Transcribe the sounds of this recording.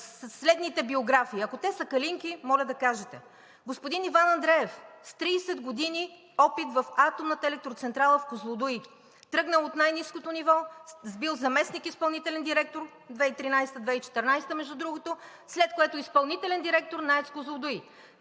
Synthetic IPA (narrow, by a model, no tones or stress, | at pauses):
slɛd̪nit̪ɛbioɡɾafiːɐkot̪ɛsəkɐliŋkimɔlʲɛd̪ɐkaʒɛt̪ɛ | ɡospʊd̪inivanɐnd̪ɾɛɛfst̪ɾiːsɛd̪ɡod̪ini | ɔpit̪vɐfat̪omnət̪əɛlɛk̚t̪ɾot̪sɛnt̪ɾalˠəfkozlˠod̪uj | t̪ɾɤɡnəlˠot̪najniskot̪onivɔzbilˠzɐmɛsnikispɐlˠnit̪ɛlɛnd̪iɾɛk̚t̪oɾ | d̪vɛit̪ɾinajst̪əd̪vɛit͡ʃɛ̥t̪ɛɾnajst̪əmɛʒd̪ud̪ɾuɡot̪o | slɛt̪̚koɛt̪oispɐlˠnit̪ɛlɛnd̪iɾɛk̚t̪oɾnaɛt̪skozlˠod̪ui